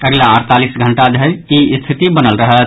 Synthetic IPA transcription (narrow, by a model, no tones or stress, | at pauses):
əɡlaəɾt̪alisɡʱəɳʈad̪ʱeɾist̪ʰit̪ibənəlɾəɦət̪